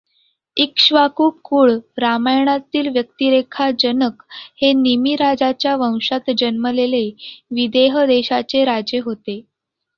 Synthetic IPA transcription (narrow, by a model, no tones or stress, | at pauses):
ikɕʋakuːpkuːɭɾamajɳ̃at̪iːlʋjək̚t̪iːɾekʰad͡ʑənəkhenimiɾad͡zat͡ɕjaʋə̃w̃ʂat̪d͡ʑənməleleʋid̪eɦəd̪eɕat͡seɾad͡ʑjeɦot̪e